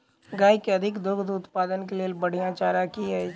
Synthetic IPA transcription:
ɡaːjkeɐd̪ʱɪkd̪ʊɡd̪ʊt̪paːd̪ənkelelbɐɽ̤ijãt͡ʃaːɾakiɛ

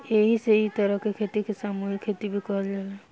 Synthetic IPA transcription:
eɦiseit̪əɾəɦkekʰet̪ikesamuɦikʰːet̪ibʱikɔɦld͡ʒalɛ

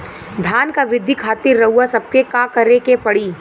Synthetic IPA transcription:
d̪ʱjaːnkaʋɪd̪ʱːikʰaːt̪ɪɾːɐɦuasɐb̚kekaːkɐɾekepɐɽiː

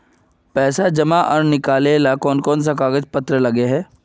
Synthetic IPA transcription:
pɛːsad͡ʒɐmaʔɔ̰ːɾnɪkaːleːlakɔːnkɔːns̬akaːɡəd͡ʒpɐt̪ɾəlɐɡeɦɛː

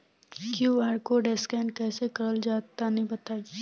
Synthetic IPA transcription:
kjuaːɾkoɖeskɛːnkɛːsekɐɾəld͡ʒaːt̪anɐɦĩbɐt̪aːi

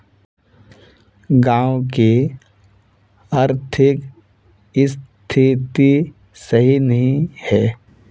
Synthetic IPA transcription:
ɡãːwki | ɐɾt̪ʰɪk | ɪst̪ʰit̪i | sɐɦinɐɦĩhɛː

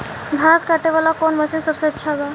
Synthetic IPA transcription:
ɡʱaskaʈeʋalakonməsẽnsəbseətːʃʰaba

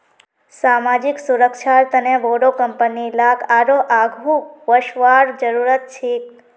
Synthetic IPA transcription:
samad͡ʒiksuɾəkʃʰaɾt̪əneʋoɽokəmpənilakʰaɾoʔaɡʱuʋəʃʋaɽd͡ʒəɾuɾət̪̚t͡ʃʰe

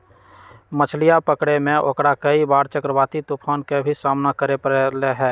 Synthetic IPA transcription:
mət͡ʃʰlijapəkɽemẽʔo̰kɽakəibaːɾt͡ʃəkɾəbaːt̪it̪upʰaːnkebʱisaːmnakəɾepəɾeleɦɛː

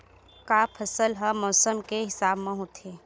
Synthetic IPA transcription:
kaːpʰəsəlɦəmɔːsəmkeɦɪsaːbmẽɦoːt̪ʰeː

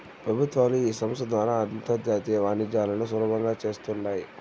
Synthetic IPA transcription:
pɾɐbʱut̪ʋaːluiːsɐmst̪ɐd̪ʋaːɾaːɐd̪int̪ɐd̪jaːt̪iːjɐʋaːnid͡ʒaːlɐnusulubʱɐŋɡaːt͡ʃe̞ːst̪uɳɖaːji

